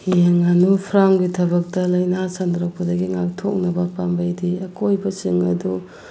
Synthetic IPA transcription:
hieŋanupʰɾamɡitʰɐbɐk̚tɐlɐjnasandɾak̚pɐdɐɡiŋak̚tʰok̚nɐbɐpambɐjdiɐkojbɐt͡ʃiŋɐdu

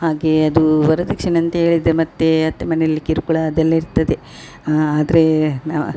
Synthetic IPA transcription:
haːɡe̞ɐd̪uʋɐɾɐd̪ɐkːʂinɐnt̪ɐɦe̞ːɭid̪emɐt̪ːeɐt̪ːemɐnejɐlːikiɾukuɭɐːd̪ɛlːɐiɾt̪ɐd̪e | aːd̪ɐɾena

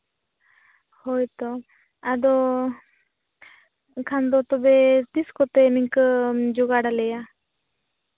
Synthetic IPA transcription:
hɔjt̪ɔ | ad̪ɔ | kʰand̪ɔt̪ɔbet̪iskɔt̪ɛniŋkd͡ʒuɡaɽalɛja

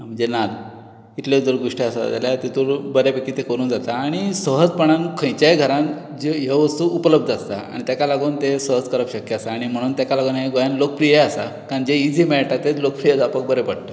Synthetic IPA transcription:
m̤əɳd͡zenal | it̪led͡z̪əɾɡoʂʈiasaa̰d͡za̰ljat̪et̪uːɾbəɾepekːit̪ekəɾuːnd͡zat̪aːɽ̃isəɦəd͡zpəɽ̃ankʰə̃jt͡ɕajɡʱəɾãn | d͡ʑejeʋəst̪uːupələb̚d̪ast̪a̰a̰ɽ̃it̪akalaɡuːnt̪esəɦəd͡zkəɾəpɕəkjəasaːɽ̃im̤əɽ̃uːnt̪akalaɡunɦeɡojanlok̚pɾijeasakaɾd͡ʑeid͡zimɛɭʈat̪ːelok̚pɾijəd͡zapək̚bəɾepəɽt̪ə̥

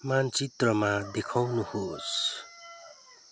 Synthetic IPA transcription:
mant͡sit̪rʌmad̪ekʰawnuhos

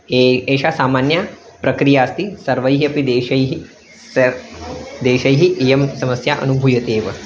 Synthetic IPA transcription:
eeːʃasaːmaːnjɐ | pɾɐkɾijaːst̪isɐɾʋɐjɦiɐpid̪eːʃɐjɦi | sɐ | d̪eːʃɐjɦiʔijɐmsɐmɐsjaʔɐ̰nubʱujɐt̪eːʋɐ

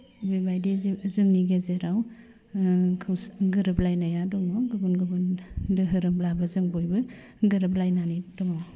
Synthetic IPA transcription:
bibajdizzɯŋniɡezeɾaw | kʰɯwsɡɯɾɯplajnajadɔŋawɡɯbunɡɯbundɯɦɯɾɯmblabazɯŋbojbɯ | ɡɯɾɯplajnanidɔŋaw

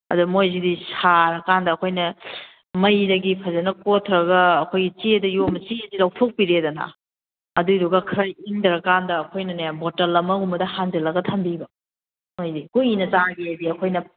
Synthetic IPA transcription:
ɐ̰dumojzidisaɾɐkandɐːkʰojnɐ | mɐjdɐɡipʰɐzɐnɐkotʰɾɐɡɐːkʰojɡit͡ʃiɐdɐjomɐt͡ʃiɐzilawtʰok̚piɾedɐnɐ̰ | ɐduduɡɐkʰɾɐjiŋdɾɐkandɐːkʰojnɐnajabotɐlɐmɐumɐdɐhand͡ʒɐlɐɡɐtʰɐmbiɡɐ | mojdikuinɐt͡ʃaɡeɐdiɐkʰojnɐ

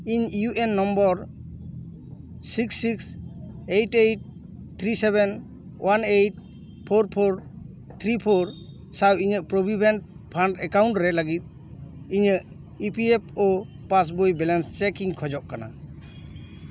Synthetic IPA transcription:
iɲjuʔenːɔmbɔɾ | siksːiksejʈejʈ̚ | t̪ʰɾisebɛn | wʔanejʈ̚ | pʰoɾpʰoɾ | t̪ʰɾipʰoɾ | sawiɲəʔpɾobʱibʱenʈ̚pʰaɳʈɛkawɳʈɾɛlaɡit̪̚ | iɲəʔ | ipiepʰo | pas̬bojbɛlanst͡ʃɛkiŋkʰɔd͡ʒɔʔkana̰

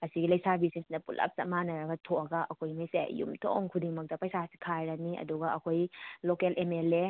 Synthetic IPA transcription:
ɐsiɡilɐjsabisinsinɐpulʔɐ̰p̚sɐmanɐɾaɡɐtʰoɐɡaʔɐkʰojmijsḛjṵmtʰo̰ŋkʰudiŋmɐk̚tɐpɐjsasi̥kʰajɾaniʔɐ̰duɡaɐkʰojlokelʔemele

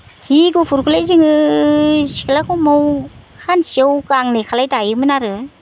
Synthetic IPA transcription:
hiɡupʰuɾkʰɯlajziŋɯ | si̥kʰalakʰɯwmawkʰansiewkaŋnekʰalajtajɯmɯnaɾɯ

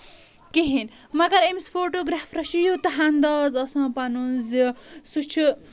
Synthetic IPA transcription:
kiɦin | mɐɡɐɾemisfoːʈoːɡɾaːfɾɐʃijot̪ɐɦand̪ɐːzɐsãːpɐnunzisut͡ʃʰi

